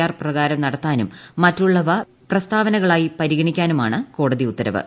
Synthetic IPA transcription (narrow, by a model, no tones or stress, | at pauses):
aːrprɐɣaːɾɐmnɐɽɐt̪ːaːnumːɐtːuɭːɐʋɐ | prɐst̪ʰaːʋɐnɐɣɐɭaːjipɐɾiɣɐɳikʲːaːnumaːɳɨko̞ːɽɐðiut̪ːɐɾɐʋɨ̰